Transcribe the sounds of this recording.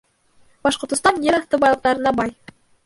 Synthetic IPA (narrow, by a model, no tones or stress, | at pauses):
b̥ɑʃqŏɾt̪ɤ̆st̪ɑnjeɾɑθt̪ɤbɑjlˠɤ̆q̚t̪ɑɾɤ̆nɑbɑj